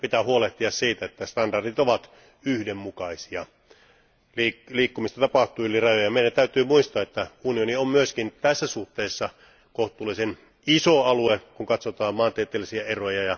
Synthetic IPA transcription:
pit̪æhuoleht̪iɑssiːt̪æet̪ːæst̪ɑndɑrdit̪oʋɑt̪ | yhdemmukɑisiɑ̰ | liːliːkːumist̪ɑt̪ɑpɑht̪ˑuːyliræjøjɑmeˑiɾænt̪æyt̪yːmuist̪ɑːet̪ːæunioniommyøskint̪æsːæsuht̪eːsːɑ | koht̪ˑuːlːˑisen | isoɑluekuŋkɑt̪sot̪ɑːmmɑːnt̪iet̪ːˑeːlːisiæerojɑjɑ

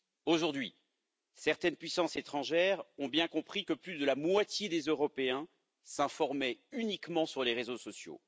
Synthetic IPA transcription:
oʒuʁd̪ɥi | sɛʁt̪ɛnpɥisɑ̃set̪χɑ̃ʒɛʁɔ̃bjɛ̃kɔ̃pχikəplyd̪əlamwat̪jed̪ezøʁɔpeɛ̃ | sɛ̃fɔʁmɛynikmɑ̃syʁleʁezosɔsjo̰

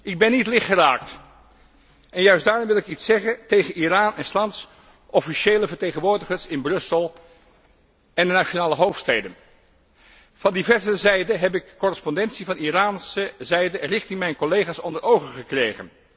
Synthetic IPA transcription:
ʔɪɡ̚bɛnːitlɪχtχəraːk̚t | ʔɛnjœɥsdaːɹrɔmʋɪlˠɪkitsɛχəntejχəniraːnɛnslɑnts | ʔɔfiʃeːləvəɹteχənʋʊːɹdəχəɹsɪnbrɵsəlˠ | ɛndənat͡ʃonaːləɦowftstejdən | v̥ɑndivɛɹzəzɛjdəɦɛp̬ɪkːɔrəspɔndɛntsivɑniraːnsəzɛjdərɪχtɪŋmɛjnkɔlejχaːsɔndəɹʔowχəχəkrejχə̰n

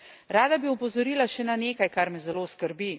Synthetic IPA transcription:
ɾaːd̪abiɔpɔzɔɾiːlaʃɛnaneːkajkaɾmɛzɛloːskəɾbi

